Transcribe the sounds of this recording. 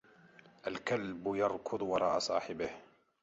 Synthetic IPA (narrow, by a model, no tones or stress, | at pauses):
ʔalkalbjɑɾˤkʊd̪ˤwɑɾˤɑ̰ːʔasˤɑ̰ːħɪbɪh